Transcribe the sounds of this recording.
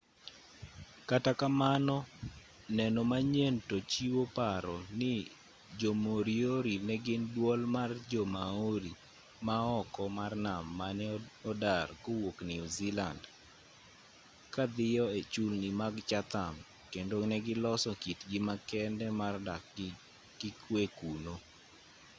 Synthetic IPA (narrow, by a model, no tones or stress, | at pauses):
katakamanɔ | nɛnɔmaɲentot͡ʃiwopaɾɔnɪ | d͡ʒomoɾioɾinɛɡɪndwɔlmard͡ʒɔmaoɾi | maɔkɔmarnamːanɛɔdarɡowokniɔziland | kad̪ɪjɔet͡ʃulnɪmaɡt͡ʃat̪am | kendonɛɡɪlɔsɔkitɡɪmakɛndɛmardak | ɡ̥ɪkʰwekuno